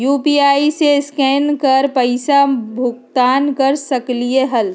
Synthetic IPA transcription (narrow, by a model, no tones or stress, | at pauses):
juːpiaːiseskɛːnkəɾpəɪsabʱʊkt̪aːnkəɾsəklieɦəl